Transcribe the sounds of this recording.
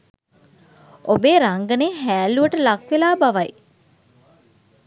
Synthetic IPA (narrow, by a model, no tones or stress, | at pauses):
obeːɾaŋɡəneːɦæːluəʈəlakʋelaːbaʋaj